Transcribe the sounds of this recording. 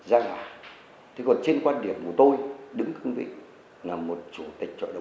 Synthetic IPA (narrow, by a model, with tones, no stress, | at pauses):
zaː˧laː˨˩˦ | t̪ʰi˨˦kɔ˨˩nt͡ɕe˧nkwaː˧nɗi˨˩əmku˧˩ə˩t̪o˧jɗɨ˨˦ŋkɨ˧ŋvḭ˧˨ | laː˨˩o˨˩t̚t͡ɕu˧˩˦t̪i˨˩k̟̚t͡ɕɔ̰˧˨ɗə˧˨